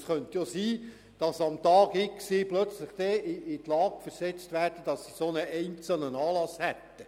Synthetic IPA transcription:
sχœnt̪josiː | d̥ɑsɑmt̪ɑːɡɪksɪplœt͡sləχd̥̪ɛɪɪt̪lɑːɡ̥fəɾsɛt͡stʋæːrd̥əd̥ɑsːisonəɛɪnt͡səlnənɑːlɑshɛt̪ːə

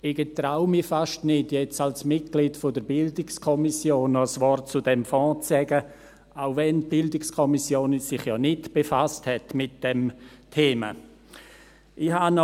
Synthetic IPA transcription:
ɪɡ̥ətɾaʊmifaʃtnɪdjɛt͡salsmɪt̚ɡ̥liːdfodəɾbɪldɪkskʰɔmisjoːnɔsʋɔɾtt͡sʊdɛmfɔ̃ːt͡sɛɡə | aʊvɛnt̚b̥ɪldɪkskʰɔmisjoːnsɪχjɔnɪtb̥efasthɛtmɪt̚d̥ɛmtʰeːmə̰ | ʔɪhanɔ

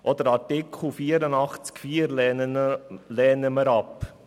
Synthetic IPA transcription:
ʔɔd̪əɾɑɾtɪkʰl̩ˠfiːəɾənɑχt͡skfiːəɾl | lɛːnəməɾɑp

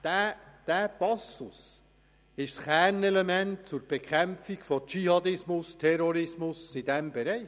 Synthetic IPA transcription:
d̥æd̥æːpɑsʊs | ɪʃsχæːɾnɛlemɛnt̚t͡sʊɾb̥ɛkʰæmfikfɔt͡ʃihɑd̪ɪsmʊstʰɛɾɔɾɪsmʊsid̥ɛmbɛɾɛɪ

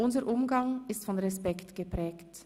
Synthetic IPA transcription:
ʔʊnzəʔʊmɡaŋɪstfɔnʁɛspɛktɡ̥əpʁ̥ɛːkt

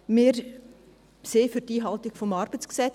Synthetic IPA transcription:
mɪɾ | seːfyɾtiːɦɑltɪkfɔmɑɾb̥ət͡sksɛ

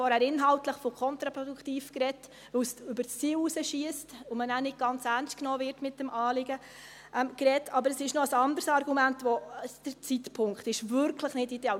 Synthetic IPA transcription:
ɔɾhæːɾɪnɦɑltləχfɔkʰχɔnt̪ɾɑpɾɔdukʰχtiːfkɾɛt | ʋɵwsʏbəɾst͡siːwusəʃiəstʊmənæːnɪɡ̚ɡ̥ɑnt͡særnstknoːvɪɾtmɪt̚d̥ɛmʔɑːlɪɡə | ʔɛmkrɛtʰːɑbəɾəsɪʃnoəsɑndəɾsɑrɡumæntʋɔəd̥əɾt͡sitpʰʊŋkχtɪʃvʏɾkʰləχnɪtideɑ

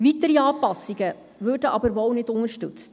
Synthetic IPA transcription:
vitəɾiɑːpɑsɪɡə | vøːrdəʔɑbəɾʋɔwnɪdʊŋərʃtʏt͡st

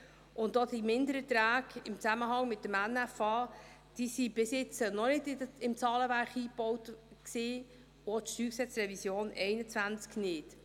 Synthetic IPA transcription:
ʊntːodimɪndəɾət̪ɾæːɡɪmt͡sæməɦɑŋmɪtːəmænæfɑː | d̥isib̥ɪsjɪt͡sənɔnɪdɪəɪmt͡sɑːləvæɾχiːb̥ɔwtksiː | ot̪ʃtyːksɛt͡sɾɛvisjoːnɛɪnət͡svænt͡sknɪt

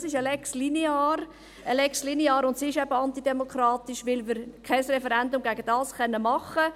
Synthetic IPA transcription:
sɪʃəlɛkslineɑːɾ | əlɛkslineɑːɾʊntsiɪʃɛb̥əɑntidɛmokʰrɑːt̪ɪʃʋɪlʋɪːɾkʰɛɪsrɛfɛɾɛndʊmɡæɡəd̥ɑːsχɛnːəmɑχə

